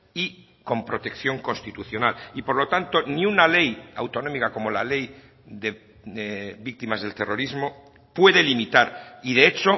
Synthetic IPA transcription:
i | ko̞mpɾo̞t̪e̞kθjo̞ŋko̞nst̪it̪uθjo̞nalipo̞ɾlo̞t̪ant̪o̞niunale̞ja̰wt̪o̞no̞mikako̞mo̞la̰le̞j | ðe̞ | βik̚t̪imazðe̞lt̪e̞ro̞ɾizmo̞ | pwe̞ðe̞limit̪aɾiðeet͡ʃo̞

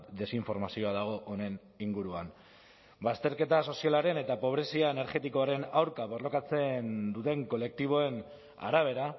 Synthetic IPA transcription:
d̪e̞siɱfo̞ɾmasio̞aðaɣ̞o̞ʔːne̞n | iŋɡuɾua̰n | bast̪e̞ɾke̞t̪aso̞sialaɾe̞ne̞t̪apo̞β̞ɾe̞siaene̞ɾʝet̪iko̞aɾe̞nawɾkaβo̞rlo̞kat͡se̞nd̪ut̪e̞ŋko̞le̞k̚t̪iβ̞o̞e̞n | a̰ɾaβ̞e̞ɾa

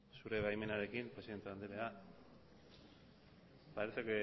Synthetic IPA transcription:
suɾe̞βajme̞naɾe̞kimpɾe̞siðent̪eand̪eɾea | baeseke

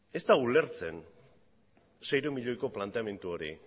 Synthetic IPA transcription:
e̞st̪aule̞ɾt͡se̞n | se̞jɾumiʎo̞jko̞plant̪e̞ame̞nt̪uo̞ɾḭ

